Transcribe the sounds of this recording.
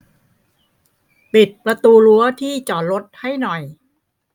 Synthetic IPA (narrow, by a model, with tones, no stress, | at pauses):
pi˨˩t̪̚pɾa˧t̪uː˧lu˦ɐt̪ʰiː˥˩t͡ɕɔː˨˩t̪̚lo˦˥t̪̚ha˥˩jnɔ˨˩j